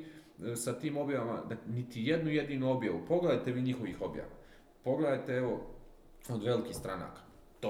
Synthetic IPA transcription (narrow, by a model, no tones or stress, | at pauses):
sat̪iːmo̞bjaʋama̰d̪anit̪ijed̪nuje̞d̪iːnuo̞bjaʋupo̞ɡled̪ajt̪e̞ʋiːɲixo̞ʋixo̞bja̰ʋa̰ | po̞ɡled̪ajt̪eeʋo̞ | od̪ʋe̞likist̪ɾana̰ːkḁ | t̪